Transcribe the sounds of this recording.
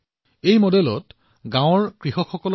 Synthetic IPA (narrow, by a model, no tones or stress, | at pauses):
ejmɔdɛlɔt | ɡãw̃ɔɹkɹiɦɔxɔkɔl